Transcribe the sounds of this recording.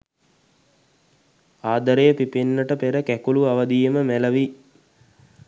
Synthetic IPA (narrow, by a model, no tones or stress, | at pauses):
aːd̪əɾejəpipenːəʈəpeɾəkækuluaʋɐd̪ijəməmæləʋi